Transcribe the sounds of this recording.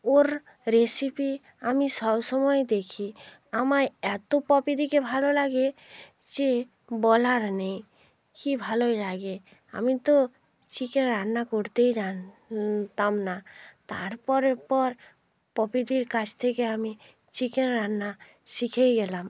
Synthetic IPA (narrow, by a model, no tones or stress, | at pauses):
oɾ | ɾesipi | amisɔbsɔmɔed̪ekʰi | amaɾɛt̪opɔpid̪ʱikebʱalolaɡed͡ʒe | bɔlaɾnej | kibʱalojlaɡe | a̰mit̪o | t͡ʃikenɾanːakoɾt̪ejd͡ʒant̪amnat̪aɾpɔɾepɔɾ | pɔpid̪iɾkat͡ʃʰt̪ʰekeami | t͡ʃikenɾanːa | sikʰejɡɛlam